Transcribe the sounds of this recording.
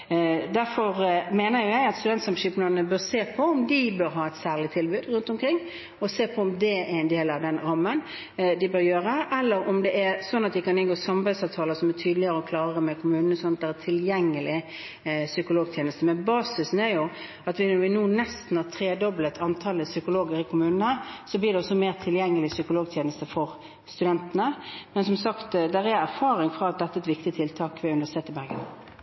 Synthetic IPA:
d̪æɾfɔɾmeːnəɾjʊjæɪɑt̪st̪ʉd̪ɛnt̪sɑmʃyːpmɑnnəbøːɾseːpʰɔɔmd̪ɪbøɾɦɑːɛt̪sæːʁlɪt̪ʰɪlbʉːd̪ɾʉnt̪ʊmkʰɾɪŋː | ɔseːpʰɔʊmd̪ɛɛɾɛɪnd̪eːlɑʋd̪ɛnɾɑmːən | d̪ɪbøːɾjøːɾəʔɛlːəɾɔmd̪ɛʔæɾsɔnːɑt̪̚d̪ɪkʰɑnɪnɡoːsɑmbɛɪsɑʋt̪ʰɑːləsɔmɛt̪ʰyːd̪lɪəɾəɔkʰlɑːʁəmɛkʰʊmʉːnnɔsɔnɑd̪ɛɾæt̪ʰɪljɛŋːəlɪ | sʏkʊloːɡt̪ʰjeːnəst̪əmɛnbɑːsɪsn̩æɾjʊ | ɑt̪ʋɪnɔɾʋɪnuːnɛst̪n̩hɑt̪ʰɾeːd̪ɔblət̪ʰɑnt̪ʰɑləsʏkʊloːɡəɾɪkʰʊmʉːnnəsɔbliːd̪ɛɔsːɔmeːʁt̪ʰɪljɛŋːəlɪsʏkʊloːɡ̚t̪ʰjeːnəst̪əfɔʁ | st̪ʉd̪ɛnt̪ənəmɛnsɔmsɑkt̪d̪æɾæɾæɾfɑːɾɪŋfʁɑɑt̪̚d̪ɛt̪ːəɛt̪ʋɪkt̪ɪt̪ʰːɪlt̪ʰɑːkʋɪʉnd̪əseːt̪ːɪbæɡə̰n

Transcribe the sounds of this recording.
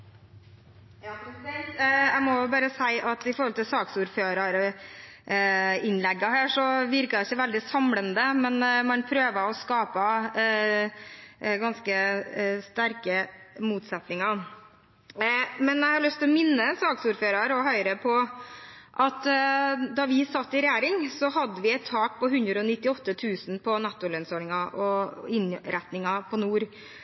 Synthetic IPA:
jɑːpɛsd̪ɛt̪æɪmɔjʊbɑːɾəsæɪʔɑt̪ɪfɔɾhɔlt̪ʰɪlsɑːksuːɾføːɾɑɾ | ɪnlɛɡːɑhæːʂɔʋɪɾkɑd̪ɪçːəʋɛld̪ɪsɑmlənd̪əmɛnmɑnpʰɾøːʋɑɔskɑːpɑ | ɡɑnskəst̪æɾkə | muːt̪sɛt̪nɪŋɑ | mɛnæɪhɑɾlʏst̪lɔmɪnːəsɑːksuːɾføːɾɑɾɔɦœʏɾəpʰɔ | ʔɑt̪d̪ɑʋɪsɑt̪ːɪɾɛjæːɾɪŋsɔɦɑd̪ːəʋɪɛɪt̪ʰːɑːk̚pʰɔɦʉnd̪ɾəɔnɪt̪ːɪɔt̪ːət̪ʰʉːsn̩pʰɔnɛt̪ːʊlœnsoːɳɪŋɑʔɔɪnɾʔæt̪nɪŋɑpʰɔnuːɾ

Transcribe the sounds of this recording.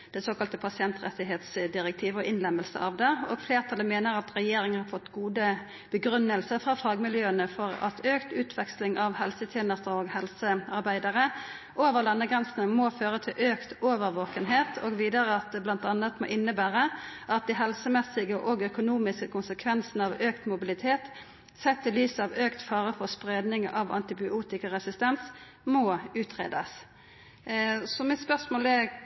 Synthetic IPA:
d̪̥ɛsoːkɑlt̪əpʰɑsɪɛnt̪ʁɛ̰t̪ɪɦeːt̪sd̪ɪʁɛk̚t̪ʰiːʋɔʔɪnlɛmːəlsə̰ʔɑ̰ʋd̪ɛɔ̰ɡfleːʁt̪ʰɑlɛmeːnəɾɑt̪ʁɛjeːɾɪŋənhɑɾfɔt̪ːɡuːd̪ə | b̥əɡɾʉnːəlsəʁfɾɑfɑːɡmɪljøːənəfɔʁɑ̰t̪ʰøːkt̪ʉːt̪ʰʋɛkslɪŋʔɑʋɦɛlsət̪ʰjeːnəst̪əʁoːɡhɛlsəɑʁbæɪd̪əʁə | ʔoːʋəʁlɑnːəɡʁɛnsnəmɔføːʁət̪ʰɪlʔøːkt̪oːʋəɾʋoːkənɦeːt̪ʰɔɡʋiːd̪əɾəɑt̪̚d̪ɛblɑnt̪ɑnːət̪mɔ̰ʔɪnːəbæːʁəʔɑt̪̚d̪æɪɦɛlsəmɛsɪɡəʔɔɡœkʊnuːmɪskəkʰʊnsəkʰʋɛnsənəɑʋøːkt̪mʊbɪlɪt̪ʰeːt̪ | sɛt̪ʰːɪlyːsɑʋøːkt̪fɑːʁəfɔʁspʁeːd̪nɪŋɑʋɑ̰nt̪ɪbɪuːt̪ɪkəʁɛsɪst̪ɛns | mɔʉːt̪ʰʁḛːd̪əs | sɔmɪt̪spœʁsmoːlɛ

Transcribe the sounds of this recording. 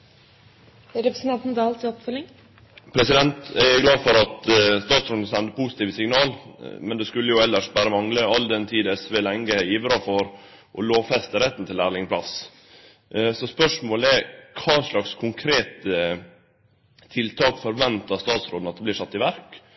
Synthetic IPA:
ɾɛpɾəsn̩t̪ʰɑnt̪n̩d̪ɑlt̪ɪɔpfœlɪŋ | pʰɾɛsɪd̪ɛnt̪ææɡlɑːd̪fɔɾɑt̪st̪ɑːt̪sɾoːd̪n̩st̪ɛnd̪əpʰusɪt̪iːʋəsɪŋnɑːlmɛnd̪ɛskʉlːəjʊɛlːəʂbæːɾəmɑŋləɑld̪ɛnt̪ʰiːd̪ɛsʋeːlɛŋɡəjiːʋɾɑfɔɾ | ʔɔloːʋfɛst̪əɾɛt̪ːn̩t̪ʰɪlːæːɾɭɪŋpʰlɑ̰s | sɔspœʂmoːlɛkʰɑːʂlɑkskʰʊŋkʰɾeːt̪ə | t̪ʰɪlt̪ʰɑːkfɔɾʋɛnt̪ɑst̪ɑːt̪sɾoːd̪n̩ɑt̪̚d̪ɛb̪ɪːʂɑt̪ːɪʋæɾk

